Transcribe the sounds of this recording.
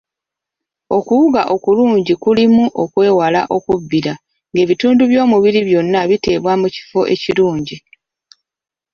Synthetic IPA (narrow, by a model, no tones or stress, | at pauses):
o̞kuwuɡaʔo̞kuluːɲɟikulimuʔo̞kwe̞ːwalaʔo̞kuvːiɾa | ŋɡe̞ːβituːnduβjo̞ːmuβiɾiβjo̞nːaβite̞ːβwamuci̥fo̞ʔe̞̰ciɾuːɲɟi